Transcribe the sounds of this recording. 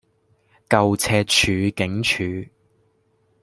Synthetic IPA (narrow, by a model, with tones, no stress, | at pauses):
kɐ˨wt͡sʰɛː˧t̚t͡ʃʰyː˨˧kɪ˨˥ŋt͡ʃʰyː˨˧